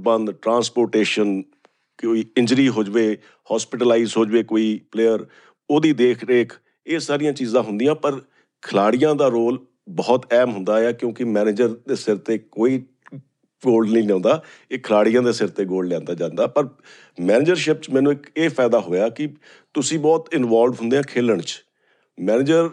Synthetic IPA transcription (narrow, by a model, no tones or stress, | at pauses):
bənd̪ʈɾãːspoːɾʈeːʃən | koːiːɪ̃ɲd͡ʒɾiːɦoːd͡ʒʋeː | hɔːspɪʈəlaːiːzɦoːd͡ʒʋeːkoːiːpleːəɾ | oːd̪iːd̪eːkʰɾeːkʰ | eːsaːɾɪjãːt͡ʃiːzãːɦʊnd̪ijãːpəɾ | kʰəlaːɽɪjãːd̪aːɾoːl | bɔːt̪ɛːmɦʊnd̪aːjaːkjõːkɪmɛːneːd͡ʒəɾd̪eːsɪɾt̪eːkoːiː | ɡoːlɖnĩːnãːnd̪aː | eːkʰəlaːɽɪjãːd̪eːsɪɾt̪eːɡoːlɖlɛ̃ːnd̪aːd͡ʒãːnd̪aːpəɾ | mɛːnɪːd͡ʒəɾʃɪp̚t͡ʃmɛ̃ːnũːeːpʰɛːd̪aːɦoːjaːkɪ | t̪ʊsĩːbɔːt̪ɪnʋaːlɖɦʊnd̪eːɦãːkʰeːləɳt͡ʃ | mɛːnɪd͡ʒəɾ